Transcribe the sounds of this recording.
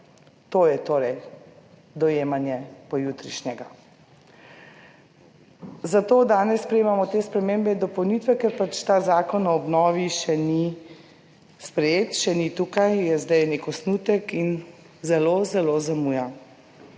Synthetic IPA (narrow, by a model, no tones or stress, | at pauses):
t̪oːjɛt̪oːɾɛj | d̪ɔjeːmanjɛpɔjut̪ɾiʃnʲɛɡa | zat̪oːd̪aːnɛsːpɾɛjeːmamɔt̪eːspɾɛmeːmbɛd̪ɔpɔwniːt̪ʋɛkɛɾpat͡ʃt̪aːzaːkɔnɔɔbnɔːʋiʃɛni | spɾɛjeːt̪ʃɛnit̪ukajjɛzd̪ɛjnekɔsnuːt̪ɛkin | zɛloːzɛlozamuːja